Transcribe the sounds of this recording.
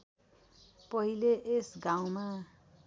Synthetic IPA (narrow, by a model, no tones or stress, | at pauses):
pʌɦileʔesɡaw̃ma